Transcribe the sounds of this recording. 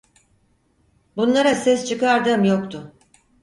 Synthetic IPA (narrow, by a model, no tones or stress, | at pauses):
bunlˠaɾasɛst͡ʃʰɯkaɾd̪ɯːmjokt̪ʰʊ